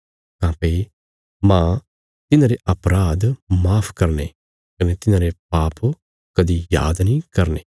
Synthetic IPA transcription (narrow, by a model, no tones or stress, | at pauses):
kãːpɐi | mãː | t̪ɪnãːɾeʔɐpɾaːd̪maːpʰkɐɾne | kɐnet̪ɪnãːɾep̚aːp | kɐd̪ija̰ːd̪nĩkɐɾneː